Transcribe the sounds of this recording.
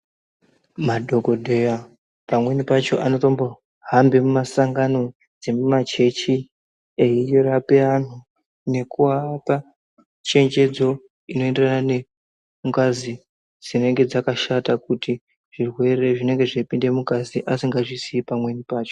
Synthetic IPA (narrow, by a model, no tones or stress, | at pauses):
madʱo̞ɡo̞dʱe̞ja | pamwe̞nipat͡ʃo̞̰ʔano̞to̞mbo̞ | ɦambemumasaŋɡano̞ | d͡ze̞mumat͡ʃe̞t͡ʃi | eijoɾape̞an̤u | ne̞kuapa | t͡ʃe̞ɲd͡ʒe̞d͡zo̞ | ino̞e̞nderanane | muŋkazi | d͡zine̞ŋɡe̞d͡zakaʃatakuti | ʐ̥irwe̞re̞ʐine̞ŋɡe̞ʐepinde̞mukaziʔasiŋɡaʐisiːpamwe̞nipaːt͡ʃo̞̥